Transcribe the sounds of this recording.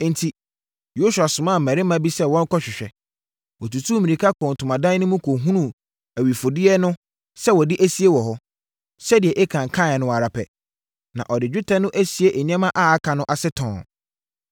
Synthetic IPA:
n̩˨tʰi˨ | jo˦su˨a˨sʊ̃˨mã˦˨m̩˨mæ̃˨ɾɪ˦mã˦bi˦sɛ˦wɔ̃˦ŋ˦kʰɔ˦ɕᶣɪ˨ɕᶣɛ˨ | wɔ˨tu˨tʰũ˦mĩ˨ĩ˨kʰa˦kʰɔ̃˨n˨tʰʊ˨mã˨dã˦nʊ̃˦mũ˦kʰo˨ɦũ˦nũ˦˨ | æ˨ɥi˨fo˨dɪ˦ɛ˦nʊ̃˦ | sɛ˦wɔ˨dɪ˦ʔæ˦si˦e˦wɔ˨ɦɔ˦ | sɛ˦dɪ˨ɛ˨ʔɛ˦kʰã˨ŋ̩˨kʰã˦˨ɛ˨nʊ̃˦˨a˨ɾa˨pʰɛ̰˨ | nã̰˨ʔɔ˨dɪ˨d͡ʑᶣu˦tʰɛ˦nʊ̃˦ʔæ˦si˨e˦ʔe˨ɲɛ̃˦mã˦ʔa˦a˦kʰã˨nʊ̃˦ʔa˨sɪ˦tʰɔ̃˨

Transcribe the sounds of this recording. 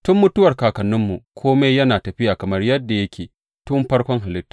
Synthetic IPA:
tʊ˦mːʊ˦tʊ˦wɐ˨rkaː˨kɐ˨nːʊ˦mːu˨kʷʰoː˦me˦jjɐ˦naː˨tɐ˨ɸɪ˦jaː˨kɐ˨mɐ˦rjɐ˦dːa˨jɐ˦kʲeː˨ | tʊ˦mɸɐ˦rkʷɔ˦ŋɦa˨lɪ˦tːḁ˨

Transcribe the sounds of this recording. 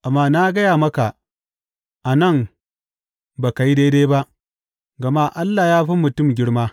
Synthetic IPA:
ʔa˨mːaː˦na˦ɡɐ˦jaː˨mɐ˦ka˨ | ʔa˨nɐ˦˨ŋ | ba˨ka˨ji˦deː˦deː˦ba˦ʔ | ɡɐ˨maː˦ʔa˦lːa˨jaː˦ɸi˦mʊ˨tʊ˦˨mɡʲɪ˦ɽmaː˦

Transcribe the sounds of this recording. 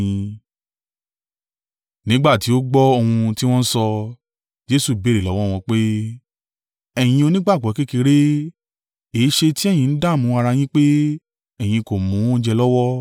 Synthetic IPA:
ĩ˧ | nĩ˨˦ɡ͡ba˦˨ti˨˦o˦ɡ͡bɔ˦o˧hũ˧ti˦w̃ɔ̃˦n̩˦sɔ˧ | d͡ʒe˦su˦˨be˨˦ɾe˨lɔ˨˦wɔ˦˨w̃ɔ̃˧k͡pe˦ | ɛ˦˨j̃ĩ˧o˧nĩ˦ɡ͡ba˦˨ɡ͡bɔ˨˦ki˦ki˧ɾe˦ | eː˨˦ʃe˧ti˦ɛ˦˨j̃ĩ˨˧n̩˦da˦˨mũ˨˦a˧ɾa˧j̃ĩ˦k͡pe˦ | ɛ˦˨j̃ĩ˧ko˨mũ˨˦ɔ̃˦d͡ʒɛ˧lɔ˦wɔ˦

